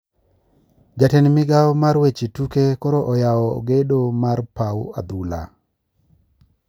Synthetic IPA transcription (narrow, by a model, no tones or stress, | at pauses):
d͡ʒatɛnmɪɡawɔmaɾwet͡ʃetukekɔɾɔʔɔjawɔ̰ɡedomarpawa̰d̪ula̰